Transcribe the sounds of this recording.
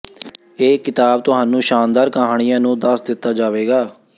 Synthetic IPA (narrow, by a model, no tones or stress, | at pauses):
eːkɪt̪aːb̚t̪ʊɦaːnũːʃaːnd̪aːɾkəɦaːɽ̃ijãːnũːd̪əsd̪ɪt̪ːaːd͡ʒaːʋeːɡaː